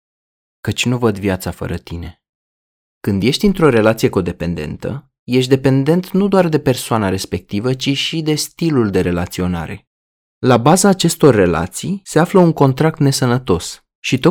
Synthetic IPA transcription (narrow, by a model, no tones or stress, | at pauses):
kət͡ʃʲnuvəd̪vjat̪safə̰ɾət̪ine̞ | kɨnd̪je̞ʃt̪ʲint̪ɾo̞ɾe̞lat̪sije̞ko̞d̪e̞pe̞nd̪e̞̰nt̪ə̰ | je̞ʃt̪̬ʲd̪e̞pe̞nd̪e̞nt̪nud̪oard̪e̞pe̞rsoanaɾe̞spe̞k̚t̪ivət͡ʃiʃid̪e̞st̪iluld̪e̞ɾe̞lat̪sio̞na̰ɾe̞ | labazaːt͡ʃe̞st̪o̞rːe̞la̰t̪sijse̞afləuŋko̞nt̪ɾak̚t̪ne̞sənət̪o̞s | ʃit̪o